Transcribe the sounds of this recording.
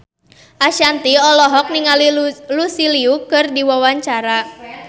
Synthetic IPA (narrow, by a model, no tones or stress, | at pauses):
ʔaʃant̪iɔlɔɦɔk̚niŋalilusiliukɨrdiwawaɲt͡ʃaɾa